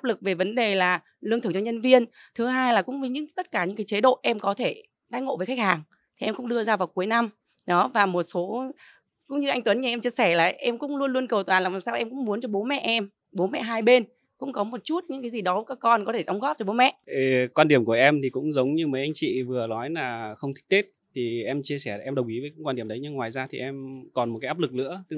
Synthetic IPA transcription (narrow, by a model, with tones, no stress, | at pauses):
aː˦˥plɨ˨˩k̚ve˨˩və˨˦nɗe˨˩laː˨˩ | lɨ˧əŋt̪ʰɨ˧˩t͡ɕɔ˧ɲə˧nvi˧ənt̪ʰɨ˨˦ɦaː˧jlaː˨˩kʊ̰˧˥ŋ͡mvə˨˩˦ɲɨ̰˧˥ŋt̪ə˦˥t̚kaː˧˩ɲɨ̰˧˥ŋkaː˨˦t͡ɕe˨˦ɗo̰˧˨ʔɛ˧mkɔ˨˦t̪ʰe˧˩ | ɗaː˨˧˦ŋo̰˧˨ve˨˩xa˦˥k̚haː˨˩ŋ | t̪ʰi˨˩ʔɛ˧mŋ͡mkʊ̰˧˥ŋ͡mɗɨ˧əzaː˧vaː˨˩wku˨˦əjna˧m | ɗɔ˨˦vaː˨˩mo˨˩t̚so˨˦ | kʊ̰˧˥ŋ͡mɲɨ˧ʔa˧jŋt̪wə˨˦nɲi˧˩ʔɛ˧mt͡ɕi˧əsɛ˧˩laː˨˩ʔɛ˧mkʊ̰˧˥ŋ͡mlu˧ənlu˧ənkə˨˩wt̪waː˨˩nlaː˨˩maː˨˩saː˧wʔɛ˧mkʊ̰˧˥ŋ͡mmu˨˦ənt͡ɕɔ˧ɓo˨˦mɛ̰˧˨ʔɛ˧m | ɓo˨˦nmɛ̰˧˨ɦaː˧jɓe˧n | kʊ̰˧˥ŋ͡mkɔ˨˦mo˨˩t̚t͡ɕu˦˥t̚ɲɨ̰˧˥ka˨˦zi˨˩ɗɔ˨˦kaː˦˥kkɔ˧nkɔ˨˦t̪ʰe˧˩ɗə˨˦wŋ͡mɣɔ˦˥p̚t͡ɕɔ˧ɓo˨˦mɛ̰˧˨ʔʔkwaː˧nɗi˨˩əmku˧˩ʔɛ˧mt̪ʰi˨˩kʊ̰˧˥ŋ͡mzə˨˦wŋ͡mɲɨ˧məː˨˦jʔa˧jŋ̟t͡ɕḭ˧˨vɨ˨˩ənɔ˨˦jlaː˨˩xə˧wŋ͡mt̪ʰi̥˦˥k̚t̪e˦˥t̚t̪ʰi˨˩ʔɛ˧mt͡ɕi˧əsɛ˧˩ʔɛ˧mɗə˨˩wŋ͡mʔi˨˦vəː˨˦kːkwa˧nɗi˨˩əmɗə˨˦jɲɨ˧ŋːwaː˨˩jzaː˧t̪ʰḭ˨˩ʔɛ˧mkɔ˨˩nmo˨˩kaː˨˦aː˦˥lɨ˨˩k̚lɨ̰˧˥əɨ˧